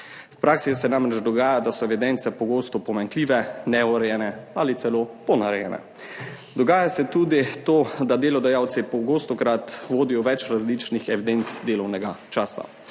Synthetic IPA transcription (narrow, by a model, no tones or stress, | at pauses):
wpɾaːksisɛnamɾɛt͡ʃd̪ɔɡaːjad̪asɔɛʋid̪ɛnt̪sɛpɔɡoːst̪ɔpɔmaŋkliːʋɛnɛuɾɛjɛnɛalit̪sɛloːpɔnaɾɛjɛnɛ̰ | d̪ɔɡaːjasɛt̪uːd̪it̪oːd̪ad̪eːlɔd̪ɛjawt̪sipɔɡoːst̪ɔkɾat̪ʋoːd̪ijɔʋɛt͡ʃɾazlit͡ʃnixɛʋid̪ent̪sd̪eːlɔwnɛɡat͡ʃaːsa̰